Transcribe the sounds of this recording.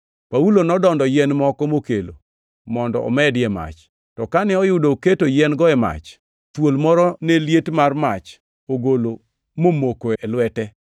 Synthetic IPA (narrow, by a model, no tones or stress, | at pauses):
paulonɔdɔndɔjɛnmɔkɔmokelo̰ | mɔndɔʔɔ̰mɛdjɛma̰t͡ʃ | tɔkanɛɔjʊdoketojɛnɡɔɛma̰t͡ʃ | twolmɔɾɔneljetmarmat͡ʃ | oɡolo | momokoɛlwɛtɛ